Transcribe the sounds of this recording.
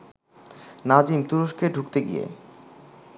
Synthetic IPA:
nad͡ʑimt̪uɾoʃkeɖʱukt̪eɡḭjḛ

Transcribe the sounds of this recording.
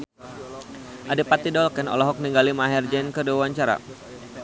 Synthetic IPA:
ʔadipat̪idɔlkɛnɔ̰lɔɦɔk̚niŋɡalimaɦɛrd͡ʒɛnkəduawaɲt͡ʃaɾa̰

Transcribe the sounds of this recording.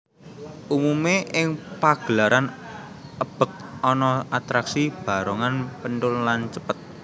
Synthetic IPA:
ʔumumeʔɪŋpaɡ̥əlaɾʔan | ʔəb̥ə̤k̚ɔnɔat̪ɾaksib̥a̤ɾɔŋanpəntʊllant͡ʃəpət̪̚

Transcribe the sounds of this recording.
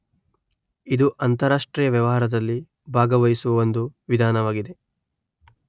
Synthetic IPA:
id̪uʔɐnt̪ɐɾaːʂʈɾiːjɐʋjɐʋɐɦaːɾɐd̪ɐlːi | bʱaːɡɐʋɐjisuʋɐʋond̪uʋid̪ʱaːnɐʋaːɡid̪e̞

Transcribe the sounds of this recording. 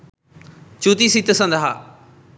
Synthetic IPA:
t͡ʃuːt̪iːsit̪əsə̃nd̪aɦa̰ː

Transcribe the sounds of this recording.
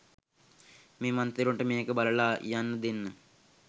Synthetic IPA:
miːmɐnt̪iɾuɳʈɨminekːɨbɐlɐɭaːjaːnːɨd̪inːɨ

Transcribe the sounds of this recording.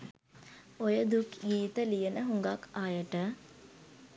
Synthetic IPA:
ojəd̪ukɡiːt̪əlijənəɦuŋɡakʰajəʈə

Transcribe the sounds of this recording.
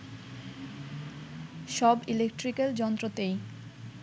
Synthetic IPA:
ʃɔbilek̚ʈɾikeld͡ʑɔnt̪ɾot̪ej

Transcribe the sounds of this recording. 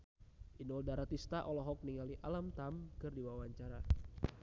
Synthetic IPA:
ʔinɔldaɾat̪ist̪aʔɔlɔɦɔk̚niŋaliʔalamt̪amkɨrdiwawaɲt͡ʃaɾa

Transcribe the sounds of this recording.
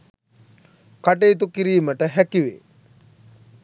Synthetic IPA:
kaʈeit̪̬ukiɾiːməʈəɦækiʋḛː

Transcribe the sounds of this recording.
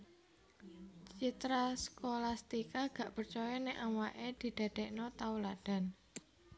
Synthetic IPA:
t͡ʃit̪ɾaskolast̪ikaɡ̥a̤ʔpərt͡ʃɔjɔnɛʔawaʔed̪̥i̤d̪̥a̤d̥̪ɛʔnɔt̪aulad̥a̤n

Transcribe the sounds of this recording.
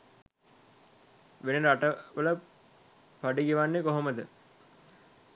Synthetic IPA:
ʋeneɾaʈəʋələ | paɖiɡiʋanːekoɦoməd̪ə

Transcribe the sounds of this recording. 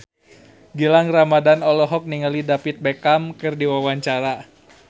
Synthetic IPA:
ɡilaŋramadanɔlɔɦɔk̚niŋalidapit̪̚bekamkɨrdiwawaɲt͡ʃaɾa

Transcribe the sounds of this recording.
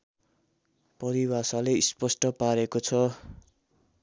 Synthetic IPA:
pʌɾiwasaleispʌsʈʌpaɾekot͡sʰʌ

